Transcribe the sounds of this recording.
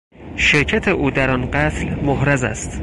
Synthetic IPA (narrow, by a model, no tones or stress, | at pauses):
ʃeɾcʰæt̪ʰeʔuːd̪æɾɒnɢæt̪ʰlmohɾæzæ̰st̪